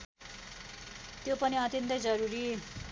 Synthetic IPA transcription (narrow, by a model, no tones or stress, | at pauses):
t̪jopʌniʌt̪jʌnt̪ʌjd͡zʌɾuɾi